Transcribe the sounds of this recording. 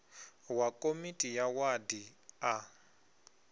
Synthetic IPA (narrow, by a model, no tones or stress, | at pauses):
wakʼomitʼijawadia